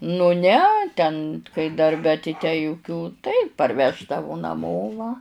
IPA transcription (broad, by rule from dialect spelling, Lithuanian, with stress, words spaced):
nʊ ˈnʲɛ tʲɛn kɐɪ dɐrʲˈbʲɛ tɐɪ tʲæː jʊˈkʲuː tɐɪ pɐrʲˈʋʲæːʒdɐʋʊ nɐˈmoː ʋɐ